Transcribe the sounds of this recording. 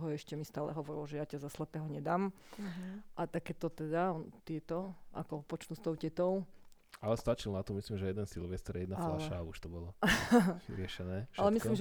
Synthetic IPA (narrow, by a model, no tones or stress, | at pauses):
ɦɔɛʃcɛmist̪aːlɛ̰ɦɔʋɔɾilɔʒɛjacazaslɛpɛɦɔɲɛd̪aːm | ʔat̪akɛːt̪ɔt̪ɛd̪aɔt̪ɪɛt̪ɔʔa̰kɔpɔt͡ʃnuːst̪ɔʊcɛt̪ɔʊ | alɛst̪at͡ʃilnat̪ɔmislimʒɛjɛd̪ɛnsilʋɛst̪ɛɾjɛd̪nafalaʃauʃt̪ɔbɔla | ḭɾɪɛʃɛnɛːʃalɛmislimʒɛ